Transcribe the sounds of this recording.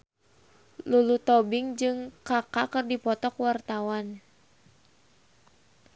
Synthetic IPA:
lulut̪ɔbiŋd͡ʒɨŋkakakɨrdipɔt̪ɔkwart̪awan

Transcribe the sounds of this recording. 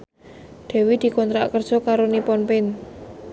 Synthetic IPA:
d̪̥ɛ̤wid̪̥i̤kɔnt̪ɾaʔkərd̥ʒ̥ɔkaɾonipɔnpɪn

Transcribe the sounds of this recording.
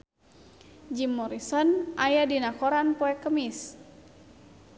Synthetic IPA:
d͡ʒimːɔɾisɔnʔajadinakɔɾanpɔɛkəmis

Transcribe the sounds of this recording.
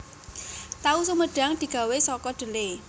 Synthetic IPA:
t̪ausuməɖ̥a̤ŋd̪̥i̤ɡ̥a̤wesɔkɔɖ̪̥ə̤le

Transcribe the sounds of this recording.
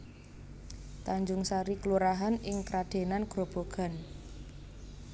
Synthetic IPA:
t̪aɲd͡ʒʊŋsaɾikluɾaɦanɪŋkɾad̪̥e̤nanɡ̥ɾob̥o̤ɡ̥a̤n

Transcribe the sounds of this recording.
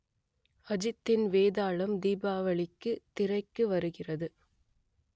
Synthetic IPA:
ɐd͡ʒɪt̪ːɪnʋeːðaːɭɐmd̪iːbaːʋɐɭɪkːɯt̪ɪrɐɪkːɯʋɐɾɯɣɪrɐðɯ

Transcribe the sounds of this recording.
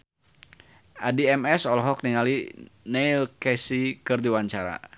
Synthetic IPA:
ʔadiɛmɛsɔlɔɦɔk̚niŋalinɛilkɛsikɨrdiwaɲt͡ʃaɾa̰

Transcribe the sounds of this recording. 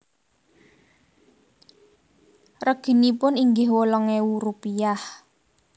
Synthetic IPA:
rəɡ̥i̤nipʊniŋɡɪɦwolɔŋeuɾupijah

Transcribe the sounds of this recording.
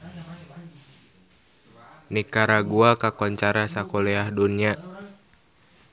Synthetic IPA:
nikaɾaɡuakakɔɲt͡ʃaɾasakolɛahdunia

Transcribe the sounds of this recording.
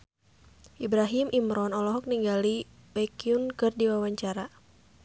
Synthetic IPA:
ʔibɾaɦimʔimɾɔnɔlɔɦɔk̚niŋɡalibakiunkɨrdiwawaɲt͡ʃaɾa

